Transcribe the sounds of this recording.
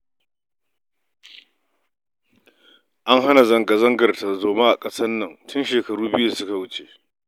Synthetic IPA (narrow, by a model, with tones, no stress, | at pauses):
ʔa˦ŋɦa˦na˨zɐ˦ŋɡa˨zɐ˦ŋɡɐ˨rta˨zoː˨maː˦ʔa˨kʼɐ˦sɐ˦nːɐ˨ŋtʰʊ˦nʃeː˨kɐ˨ɽuː˦bɪ˦ju˦a˨sʊ˦ka˨wʊ˦t͡ʃe˨ʔ